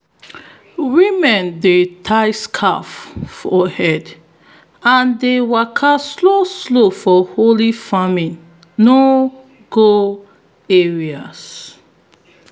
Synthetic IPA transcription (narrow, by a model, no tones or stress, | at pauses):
wimɛ̃ndetʰajskʰaffɔhɛd | ãndewɛkʰasloslofɔholifamĩnː | o | ɡo | ɛɹias